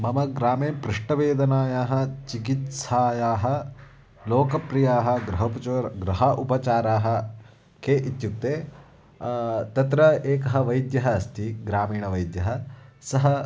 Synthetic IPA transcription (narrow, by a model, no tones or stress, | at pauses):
mɐmɐɡɾaːmeːpɾiʂʈɐʋeːd̪ɐnaːjaːɦɐ̆t͡ʃikit̪saːjaːɦɐ̆ | loːkɐpɾijaːɦɐ̆ɡɾɐɦɐpɐt͡ʃɾɡɾɐɦɐʔupɐt͡ʃaːɾaːɦɐ̆ | keʔit̪juk̚t̪eː | t̪ɐt̪ɾɐeːkɐɦɐ̆ʋɐjd̪jɐɦɐːst̪ʰiɡɾaːmiːɳɐʋɐjd̪jɐɦɐsɐɦɐ